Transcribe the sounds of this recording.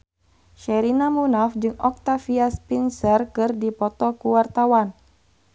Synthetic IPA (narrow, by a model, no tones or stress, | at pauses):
ʃɛɾinamunafd͡ʒɨŋɔk̚t̪afiaspinsərkɨrdipɔt̪ɔkuwart̪awan